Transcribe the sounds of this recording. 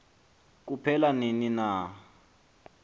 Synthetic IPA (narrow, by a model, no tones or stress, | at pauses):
k̬upʰɛlaninina